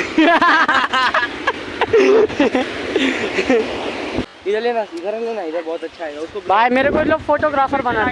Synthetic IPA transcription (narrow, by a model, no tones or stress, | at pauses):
id͡ʒalenasikəɾənlenaːiɡabɔːt̪ɐtːʃʰaɛɡaʊskobʱaːjmeːɾekoːloːɡfoːʈoːɡɾaːfəɾbɐnaɾe